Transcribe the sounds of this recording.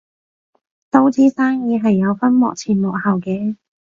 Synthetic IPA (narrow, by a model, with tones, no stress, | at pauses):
t̪o˥wt͡siː˨˥saː˥ŋjiː˨˧ɦɐ˨jːɐ˨˧wfɐ˥nmɔ̰ː˨k̚t͡sʰiː˧˩nmɔː˨˩k̚hɐ˨˩wkɛː˧˥